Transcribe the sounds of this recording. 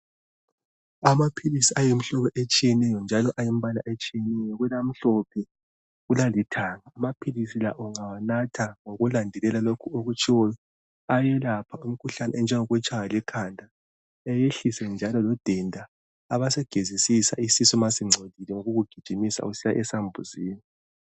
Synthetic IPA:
amapʰilisiajem̩ɬɔpɛʔet͡ʃʼijɛnɛjɔnd͡ʒʱalɔʔajim̩βala̰ʔet͡ʃʼijɛnɛjɔɣwɛlam̩ɬɔpʰɛ | ɣulalitʰaːŋaːmapʰilisilaʔɔŋawanatʰaŋoɣulandʱɛlɛlalokʰuoɣut͡ʃʼiwɔjɔ | ajɛlapʰaum̩kʰuɬanɛnd͡ʒʱɛŋɔɣwɛt͡ʃʼajalɛkʰandʱa | ɛjeɬisɛnd͡ʒʱalɔlɔd̥ʱɛndʱaː | βasɛɡ̥ʱezisisa̰isisɔmasiŋ͡ǀʱodʱilɛŋoɣuɣuɡ̥ʱid̥ʒ̥ʱimisa̰usijaʔɛsambʱuziːni

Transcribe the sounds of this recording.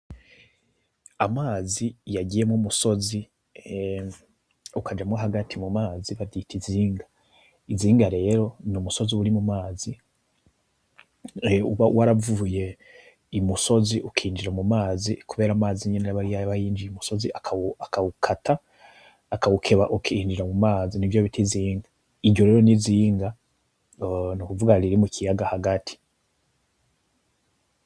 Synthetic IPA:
amaːzijaɟije̞mŋumuso̞zi | ukʰad͡ʒamŋoɦaɡatʰimumaːziβavitʰiziːŋɡa | iziːŋɡaɾe̞ːɾo̞numuso̞ziuɾimumaːzi | uβawaɾavuːje̞ | imuso̞ziʔukʰiːnd͡ʒiɾamumaːzikuβe̞ːɾaːmaːziɲeneaβaɾijajβajiːnd͡ʒijumuso̞ziakʰaakaukʰataː | kaβukʰe̞βaʔukʰiːnd͡ʒiɾamumaːzinivjoβitʰiziːŋɡa | iɾɟo̞ɾe̞ɾo̞niziːŋɡa | nukuvuɡaɾiɾimucijaɡahaɡatʰi̥

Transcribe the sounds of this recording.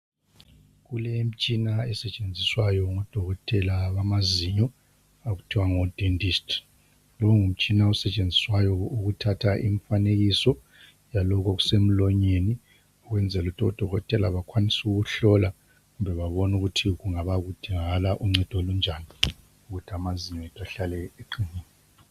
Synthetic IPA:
ɣulɛm̩t͡ʃʼinaɛsɛt͡ʃʼend͡zʱiswajɔŋɔd̥ʱɔɣɔtʼɛlaβamaziɲɔ | aɣutʰiwaŋɔd̥ʱendʱistʰ | lɔŋum̩t͡ʃʼinaɔsɛt͡ʃʼend͡zʱiswajɔuɣutʰatʰaʔiɱfaneɣisɔ | jalɔk̬ɔɣusem̩lɔɲeni | ɔɣwɛnd͡zʱɛlutʰɔd̥ʱɔɣɔtʼɛlaβakʰwanisuɣuɬɔla | ɣumbʱɛβaβɔnuɣutʰiɣuŋaβaɣud̥ʱiŋalaʔuŋ͡ǀɛd̥ʱolund͡ʒʱani | uɣutʰiamaziɲɔɛtʰʼaɬalɛeǃiniːnː | ɔ

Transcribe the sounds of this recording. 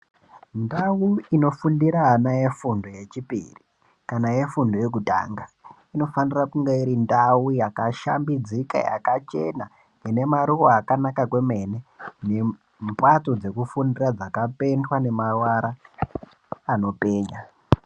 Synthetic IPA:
ndawuino̞fundiɾaɦanaje̞fundo̞je̞t͡ʃipḭri | kanaje̞fundo̞je̞k̬uta̰ːŋɡa | ino̞fanirakuŋɡeiɾindawujakaʃa̰mbid͡zika̰ja̰kat͡ʃe̞na | ine̞maɾukoakanakakwe̞me̞nene̞ | mpato̞d͡ze̞kufundirad͡zakape̞ndwane̞mawaɾa | no̞pe̞ːɲa

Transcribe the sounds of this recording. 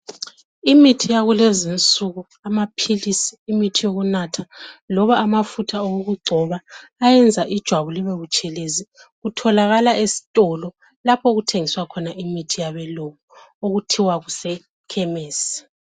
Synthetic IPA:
imitʰijaɣulezint͡sʼuɣu | amapʰilisi̥ːmitʰijoɣunatʰalɔβaʔːmafutʰaowoɣuɡ͡ǀʱɔβaːjɛnd͡zʱaʔid̥ʒ̥ʱwaβuliβeɣut͡ʃʼɛlezi | ɣutʰɔlaɣalaʔesi̥tʼɔlɔ | lapʰɔɣutʰeŋiswakʰɔnaʔimitʰijaβɛlokɔ | oɣutʰiwaɣusɛ | kʰɛmeːsi̥

